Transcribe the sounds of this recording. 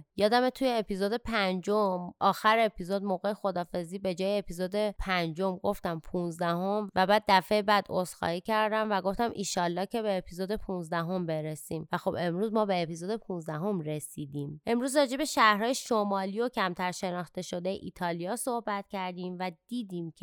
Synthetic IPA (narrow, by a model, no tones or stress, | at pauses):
jɒːd̪æmet̪ʰujeːpizod̪e̞pʰænd͡ʒomʔɒːxæɾeepʰizod̪̚moɣejexo̞d̪ɒːfe̞ziːbe̞d͡ʒɒːjeːpʰizod̪epʰænd͡ʒo̞mɡo̞ft̪æmpʰunzd̪æho̞mvæbæːd̪̚ːæfebæːd̪osxɒ̰ːhiːcʰæɾd̪æmvæɡo̞ft̪æmʔiːʃɒːlːɒːhcʰe̞beːpʰizod̪e̞pʰunzd̪æɦo̞mbe̞ɾesiːmvæxo̞be̞mɾuːzmɒːbe̞ːpizod̪e̞pʰunzd̪æɦo̞mɾesiːd̪iːmʔe̞mɾuːzɾɒːd͡ʒe̞be̞ʃæhɾhɒːjeʃomɒːlijo̞cʰæmt̪ʰæɾʃe̞nɒːχt̪e̞ʃo̞d̪e̞jeʔit̪ʰɒːlijɒːso̞hbæt̪cʰæɾd̪iːmvæd̪̥iːd̪iːmcʰe